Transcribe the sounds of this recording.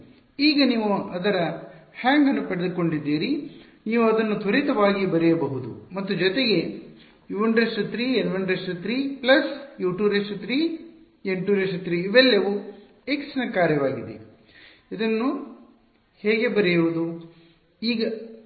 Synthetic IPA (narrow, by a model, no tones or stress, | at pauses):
iːɡɐniːʋuɐd̪ɐɾɐhaːŋɡɐnːupɐɽed̪uko̞ɳɖid̪ːiːɾi | niːʋuɐd̪ɐnːut̪ʰɐɾit̪ɐʋaːɡibɐɾɛjɐbɐɦud̪ṵmɐt̪ːud͡ʒɔt̪eɡe̞ | iʋɐɳɖɾeʂʈut̪ɾiːenʋɐɳɖɾeʂʈut̪ɾiːplɐsjuːʈuːɾeʂut̪ɾiː | eɳʈuːɾeʂut̪ɾiːiʋɛlːɐʋu | eksɐnɐkaːɾjɐʋaːɡid̪ḛ | id̪ɐnːu | heːɡe̞bɐɾɛjuʋud̪u | iːɡɐ